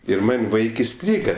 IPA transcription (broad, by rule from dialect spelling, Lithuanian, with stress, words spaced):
ɪr ˈmɐnʲ ˈʋɐɪk ɪˈsʲtʲrʲiːɡɐ